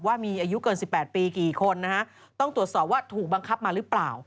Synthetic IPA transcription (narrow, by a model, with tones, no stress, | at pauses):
p̚waː˥˩miː˧ʔaː˧ju˦˥kɤː˧nsi˨˩pːɛː˨˩t̪̚piː˧kiː˨˩kʰo˧nːa˦˥kʰa˦˥ʔ | t̪ɔ˥˩ŋt̪ɾu˨˩ət̪sɔː˨˩p̚waː˥˩t̪ʰuː˨˩k̚ba˧ŋkʰa˦˥p̚maː˧ɾɯ˦˥plaː˨˩w